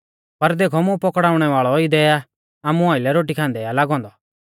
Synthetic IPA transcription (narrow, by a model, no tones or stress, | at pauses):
pɐɾd̪eːkʰɔmũpɔkɽaːʊɽ̃ɛʋaːɭɔid̪ɛa | aːmũaːɪlɛɾoːʈikʰãːnd̪ɛalaːɡɔ̃ːnd̪ɔ